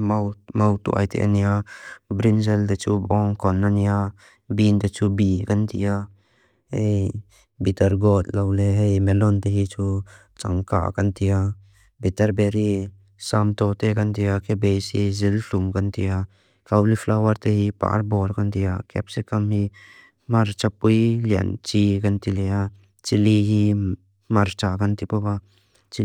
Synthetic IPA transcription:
mawmawt̪ṵʔa̰jt̪ʰḛnijabɾinzɛld̪et͡ʃʰubɔŋkɔnːanija | bind̪et͡ʃʰubikant̪ʰija | hej | bit̪ɐɾɡɔt̪̚lawleɦejmɛlɔnt̪eɦit͡ʃʰu | t͡ʃa̰ŋka̰kant̪ʰija | bit̪ɐɾbeɾi | samt̪oːt̪ekɐnt̪ijakebesizilɬuŋkɐnt̪ija | kɐwlifʰlawɐɾt̪eɦipa̰ːɾboːɾkɐnt̪ijakɛ̰psikɐmɦi | mɐɾt͡ʃɐpːuilɐ̰nt͡ʃikɐnt̪ileja | t͡ʃiliɦi | mɐɾt͡ʃakɐnt̪ipoba | t͡ʃi

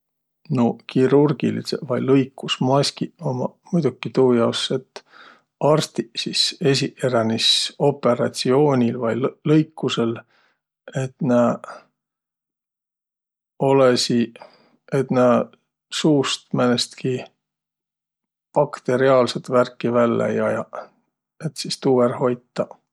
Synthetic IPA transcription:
nokiɾurɡ̥ḭlḭsevɑjlɤjkːˑusmɑsʲkiomɑmujd̪ukːit̪uːjɑwsːe̞t̪ː | ɑrst̪isise̞s̬ʲiʔeɾɑniso̞pːe̞ɾɑt̪sio̞ːnʲilvɑjlɤjkːuse̞l | e̞t̪næ | o̞lesi | et̪næː | suːst̪mænest̪ki | pɑkt̪e̞ɾiɑːlset̪værkːivælːḛjɑjɑ | et̪sist̪uːverho̞jt̪ːɑ

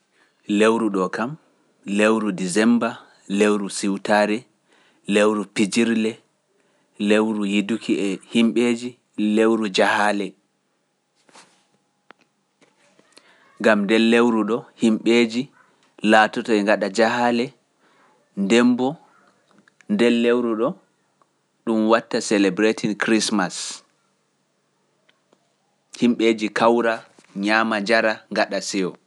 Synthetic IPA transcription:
lewɾuɗɔkam | lewɾudizɛmba | lewɾusiwtaɾɛ | lewɾupid͡ʒiɾlɛ | lewɾujidukʰiɛhimɓeːd͡ʒi | lewɾud͡ʒahaːlɛ | ŋɡamndɛlːewɾuɗɔhimɓeːd͡ʒi | latɔtɔɛŋɡaɗad͡ʒahaːlɛ | ndɛmbɔ | ndɛlːewɾuɗɔ | ɗumwatːasɛlɛbɾetʰinkɾismas | himɓeːd͡ʒikawɾa | ɲaːmad͡ʒaɾaŋɡaɗasɛɔ

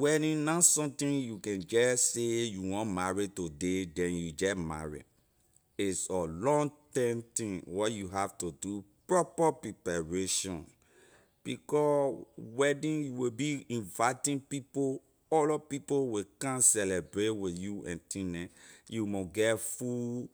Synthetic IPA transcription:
wɛdĩnãsɔ̃mtĩnjukɛ̃nd͡ʒɛsejuwɔ̃nmaɹitodedɛ̃njud͡ʒɛtma̰ɹḭ | isɔlɔ̃ŋtɛ̃mtĩŋwɔtjuɦaftudupɹɔpapɹipaɹeʃɔ̰̃n | b̥ikɔwɛdĩnjuwebiĩnvaɪtĩnpipo | ɔlɔpipowekãnsɛlɛbɹetwiθjuɛ̰̃ntĩnɛ̃jumoɡɛfu

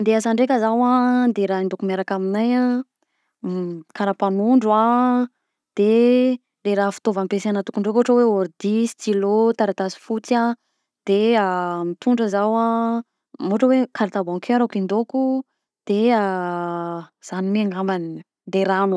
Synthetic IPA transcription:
nd̪easaɳɖ͡ʐekəzawad̪eɾaind̪okumeɾakaminaja | kaɾapanuɳɖ͡ʐa | d̪̥e | ɾeɾaːfi̥t̪ovampeseanət̪u̥kuɳɖ͡ʐekoɦʈ͡ʂəweoɾd̪isi̥t̪ilot̪aɾat̪asi̥fut͡sa | d̪̥eamit̪uɳɖ͡ʐəzawa | moʈ͡ʂəwekʰaɾat̪abɔ̃ŋkʰeɾakind̪oku | d̪̥ea | z̥animiaŋɡamani | d̪eɾan

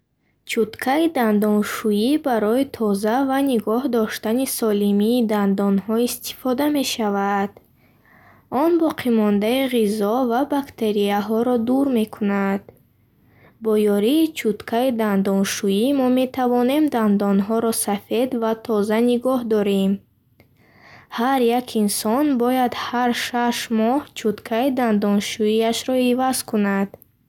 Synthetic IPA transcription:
t͡ʃʰut̪kʰaid̪and̪ɔnʃuibaɾɔit̪ʰɔzavaniɡɔhd̪ɔʃt̪anisɔlimiːd̪and̪ɔnhɔist̪ʰi̥fɔd̪ame̞ʃavad̪̥ | ɔnbɔqʰimɔnd̪aiʁizɔvabakt̪ʰe̞ɾiaɦɔɾɔd̪uɾme̞kʰunad̪̥ | bɔjɔɾiːt͡ʃʰut̪kʰaid̪and̪ɔnʃuimɔme̞t̪ʰavɔne̞md̪and̪ɔnɦɔɾɔsafe̞d̪vat̪ʰɔzaniɡɔɦd̪ɔɾem | haɾjakʰinsɔnbɔjad̪haɾʃaʃmɔht͡ʃʰut̪kʰaid̪and̪ɔnʃuiaʃɾɔivaz̥kʰunad̪̥

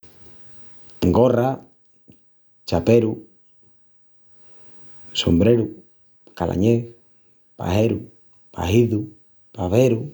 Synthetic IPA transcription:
ŋɡora | t͡ʃapeɾu | sombɾeɾu | kalʔa̰ɲeθ | pa̰ɦeɾu | pa̰ɦiðu | paβeɾu

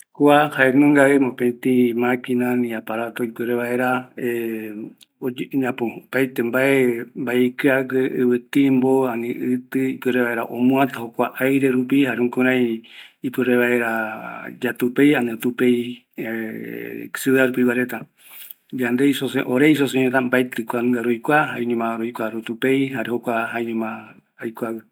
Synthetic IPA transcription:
kuahaenõŋɡaemopẽt̪ĩmãkĩnãnĩapaɾat̪oipɨɾeβae̞ɾae | oɲãpõpajt̪embaʔembaikɨaɡeʔɨβɨt̪ĩmboanĩʔɨt̪ɨipɨɾeβaeɾa̰ʔõmũãt̪ahokʷaʔajɾe̞ɾupihaɾũkũɾãĩipɨɾeβaeɾad͡ʒat̪upejanɨt̪upej | sɨaɾupiwaɾet̪a | d͡ʒand̪eisosḛʔoɾeisoseɲõt̪ambajt̪ɨkʷanaɾojkʷaɦaẽɲũmãɾojkʷaɾut̪upejɦaɾehokʷaɦaeɲũmã | ajkʷawɨ

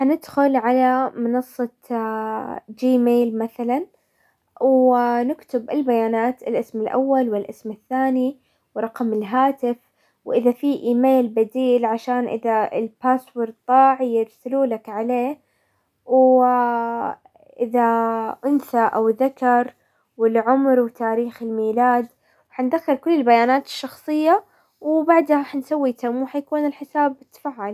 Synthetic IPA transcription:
ħanɪd̪xʊlʕalamɑnɑsˤːɑ | d͡ʒiːmeːlmaθalan | wnɪkt̪ɪbʔɪlbajaːnaːt̪ɪlʔɪsmɪlʔa̰wːalwɪlʔɪsmɪθːaːni | wɾˤɑqmɪlɦaːt̪ɪf | wʔɪðafiʔiːmeːlbad̪iːlʕaʃaːnʔɪ̰ðaɪ̰lpaːswɪɾˤt̪ˤːɑːʕijɪɾsɪluːlakʕaleː | w | ʔɪðaʔʊnsaʔawðakɑɾˤ | wɪlʕʊmɾwt̪aːɾiːxɪlmiːlaːd̪ | wħand̪axːɪɾkʊlːɪlbajaːnaːt̪ɪ̥ʃːɑxsˤɨjːa | wbaʕd̪haħansawːit̪amuħajakuːnɪlħɪsaːbɪt̪ːḁfaːʕʕal

